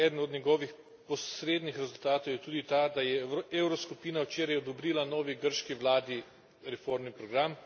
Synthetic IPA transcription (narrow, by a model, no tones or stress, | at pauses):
ɛːd̪nɔd̪nʲɲɛɡɔːʋix | pɔsɾeːd̪nixɾɛzult̪aːt̪owjɛt̪uːd̪it̪ad̪ajɛewɾɔskupiːnawt͡ʃeːɾajɔd̪ɔbɾiːlanɔːʋiɡəɾʃkiʋlaːd̪i | ɾɛfoɾmnipɾɔɡɾam